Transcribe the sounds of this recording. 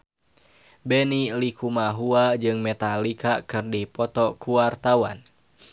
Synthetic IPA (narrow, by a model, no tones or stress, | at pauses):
bɛnilikumaɦuad͡ʒɨŋmɛt̪alikakɨrdipɔt̪ɔkuwart̪awa̰n